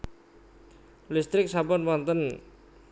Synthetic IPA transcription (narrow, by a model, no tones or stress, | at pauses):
list̪ɾɪk̚sabɔnwɔnt̪ən